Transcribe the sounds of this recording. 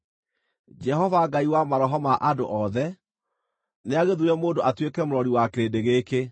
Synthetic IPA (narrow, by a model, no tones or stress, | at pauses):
d͡ʒɛɦɔvaɡaiwamaɾɔɦɔmaʔadoʔɔðɛ | neaɣeðuɾɛmoːndoʔatwekɛmoɾɔɾiwakeɾedeɣeke